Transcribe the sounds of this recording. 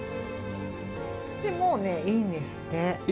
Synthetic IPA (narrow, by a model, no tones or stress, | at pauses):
d̪̥emoːneinest̪e